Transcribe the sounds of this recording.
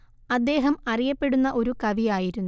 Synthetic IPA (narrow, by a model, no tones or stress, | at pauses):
ɐd̪ːe̞ːɦɐmɐrijɐpːe̞ɽunːɐʔo̞ɾukɐʋijaːjiɾunːu